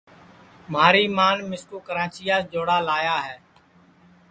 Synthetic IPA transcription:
maːɾiːmaːnmɪskoːkəɾãːt͡ʃiːjaːsd͡ʒoːɽaːlaːjaːɦɛː

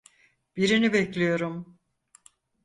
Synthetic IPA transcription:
b̥iɾinibɛclʲijo̞ɾum

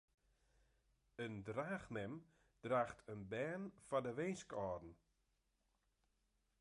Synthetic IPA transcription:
əndraːxnɛm | d̥raːxtʰənbɛːnfadəʋenskɔːdn̩

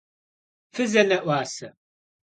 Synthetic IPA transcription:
fɨzɐnɐʔʷaːsɐ

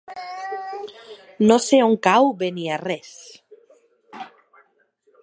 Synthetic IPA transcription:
noseoŋkawbeniares

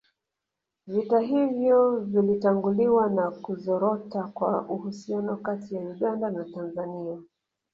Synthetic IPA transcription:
vitaɦivjɔvilitaŋɡuliwanakuzɔɾɔtakwaʔuhusianɔkatijauɠandanatanzania

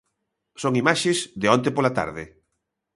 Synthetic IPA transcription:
soŋimaʃɪsðeɔ̃nt̪epolat̪a̰ɾðɪ

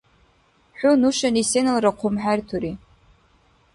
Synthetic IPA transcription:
ħʊnuʃanisenalraqʷʰʊmħartʰuɾi

